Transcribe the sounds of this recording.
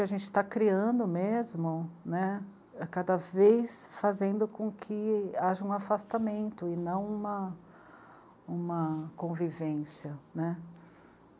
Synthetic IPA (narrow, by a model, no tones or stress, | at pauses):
ɪaʒẽnt͡ʃɪ̥t̪akɾiɐ̃nd̪ʊmezmʊnɛ | kad̪ɐvejsfazẽnd̪ʊkõkʰɪaʒɐũafast̪amẽnt̪ʊɪnɐ̃w̃ũmɐ | ũmɐkõvivẽsjɐnɛ